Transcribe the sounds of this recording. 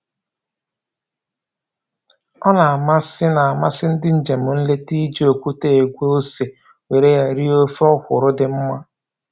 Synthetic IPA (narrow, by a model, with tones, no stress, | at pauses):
ɔ˦na˨a˨ma˦sɪ˦na˨a˨ma˦sɪ˦n̩˦dɪ˦n̩˦d͡ʒe˨mʊ˨n̩˦le˦ti˦d͡ʒi˦o˨kʷu˦te˦e˨ɡʷo˦o˦se˨ | we˨ɾe˦ja˦ɾi˦o˦fɔ˦hʷʊ˨ɾʊ˦dɪ˦m̩˦ma˦